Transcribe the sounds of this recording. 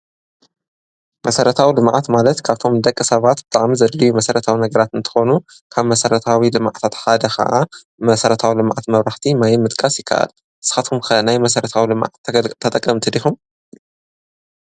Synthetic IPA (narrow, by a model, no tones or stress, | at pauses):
mɐsɐɾɐt̪ʰawilɨmʕat̪malɐt̪kʰaβt̪ʰo̞md̪ɐkʼːɨsɐβat̪b̥ɨt̪ʼaʕmizɐlːijumɐsɐɾɐt̪ʰawinɐɡɐɾat̪ɨnt̪ʰɨ̥xo̞nu | kʰaβmɐsɐɾɐt̪ʰawilɨmʕt̪ʰat̪ħad̪ɐxɐ̰ʔa | mɐsɐɾɐt̪ʰawilɨmʕat̪mɐβɾaħt̪ʰimajɪmɨt̪ʼkʼasjɪkʰːɐ̰ʔa̰l | ʔɨ̥sɨ̥xat̪kʰumkʰɐnajmɐsɐɾɐt̪ʰawilɨm̰ʕt̪t̪ʰːɐt̪ʼɐkʼːɐmt̪ʰɨd̪ixum